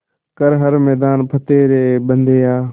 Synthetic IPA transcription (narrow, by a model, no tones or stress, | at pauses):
kəɾɦəɾmɛːd̪aːnpʰət̪eːɾeːɓənd̪ʱeːaː